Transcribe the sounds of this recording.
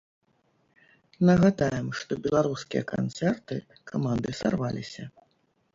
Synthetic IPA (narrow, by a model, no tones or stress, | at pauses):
nɐɣad̪ajɛmʂt̪ɔbʲɛlˠaɾuskʲijɐ̰ka̰nt̪sɛrt̪ɨ | kʰamand̪ɨsa̰rvalʲisʲɐ